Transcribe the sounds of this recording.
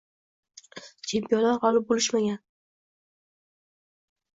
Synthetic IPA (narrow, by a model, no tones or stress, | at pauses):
t͡ʃʰe̞mpijɒnlaɾhɒlɪp̚bolɪʃmaɡʲan